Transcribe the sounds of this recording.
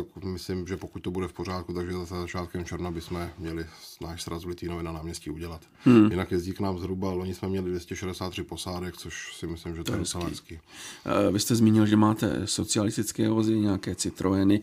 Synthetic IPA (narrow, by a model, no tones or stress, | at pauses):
akmɪslɪmʒɛpo̞kuc̚t̪obudɛfpor̝aːt̪kut̪aɡʒɛzazazat͡ʃaːt̪kɛmt͡ʃɛɾvnabɪsmɛmɲɛlɪnaːʃsɾʔazvlɪt̪iːnovɛnanaːmɲɛsciːuɟɛlat̪̩ː | jɪnakjɛzɟiːknaːmzɦɾubaloɲɪsmɛmɲɛlɪdvjɛscɛʃɛdɛsaːt̪ːr̝̥ɪpo̞saːdɛkt͡soʃsɪmɪslɪmʒɛt̪ɛnsɛskiː | vɪst̪ɛzmiːɲɪlʒɛmaːt̪ɛ̰so̞t͡sɪalɪst̪ɪt͡skɛːvozɪɲɛjakɛːt͡sɪt̪ɾʔojɛnɪ